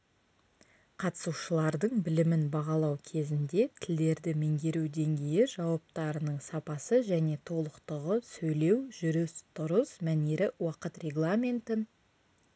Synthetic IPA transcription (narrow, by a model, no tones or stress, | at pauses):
qʰɑt̪ə̥suʃəlˠɑɾd̪əɴbɪlɪmɪnbɑʁɑlˠɑwkʲʰe̞zɪnd̪e̞t̪ʰɪld̪e̞ɾd̪ɪmeŋɡʲe̞ɾuwd̪e̞ŋɡʲe̞jɪʒɑwɑp̚t̪ɑɾənəɴsɑpɑsəʒæne̞t̪ʰo̞lˠəqt̪əʁəsɵjle̞wʒʏɾɪst̪ʰʊɾəsmæneɾɪwɑqət̪rʲe̞ɡlˠamʲe̞nt̪ɪn